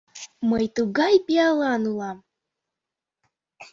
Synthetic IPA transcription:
məjt̪uɡɑjpialˠɑnulˠɑm

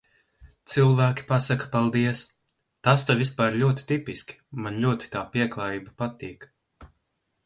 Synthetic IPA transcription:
t̪silˠvæːkʲi̥pasakɐ̥palˠd̪iɛs | t̪ast̪avʲispaːɾlʲuɔt̪i̥t̪ipiskʲi̥manlʲuɔt̪i̥t̪aːpiɛklˠaːjiːbapat̪iːk

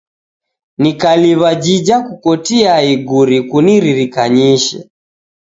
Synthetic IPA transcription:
nikaliβad͡ʒid͡ʒakukɔtiaiɡuɾikuniɾiɾikaɲiʃɛ̰

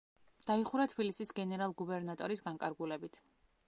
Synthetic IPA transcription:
d̪̥aiχuɾat̪ʰbilisisɡɛnɛɾalˠɡubɛɾnat̪ʼɔɾisɡaŋkʼaɾɡulɛbit̪ʰ

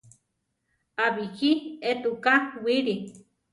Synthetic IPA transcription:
aβikiet̪ukawiɾi

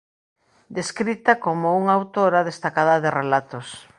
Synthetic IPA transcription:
d̪eskɾit̪ɐkomouŋaawt̪oɾaðest̪akaðɐðerelat̪os

